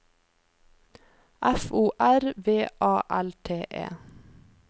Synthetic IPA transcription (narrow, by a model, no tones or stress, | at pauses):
ʔæfuːʔæɾʋeːʔɑːʔælt̪ʰeːʔḛː